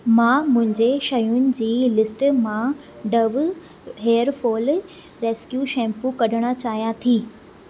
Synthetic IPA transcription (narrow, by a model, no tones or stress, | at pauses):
mãːmʊ̃ɦɪ̃ɲd͡ʑeʃɐjʊnɪ̆d͡ʑiːlɪsʈmã | ɖɐʋ | ɦeːəɾfoːl | ɾeːskjuːʃɛ̃ːmpukɐɗʱəɽ̃at͡ɕaːɦijãt̪ʰiː